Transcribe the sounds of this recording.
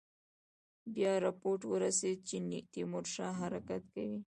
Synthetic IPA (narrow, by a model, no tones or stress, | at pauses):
bjɑɾapoɾʈwəɾased̪̚t͡ʃenɪt̪imoɾʃɑɦaɾakat̪kawi